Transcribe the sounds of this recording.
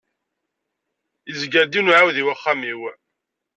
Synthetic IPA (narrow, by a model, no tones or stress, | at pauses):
izɡæɾd̪inʊʕawðiwaχːamiw